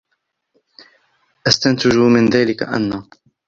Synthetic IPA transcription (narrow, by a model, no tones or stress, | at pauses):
ʔast̪ant̪ʊd͡ʒʊmɪnðaːlɪka̰ʔa̰nːaː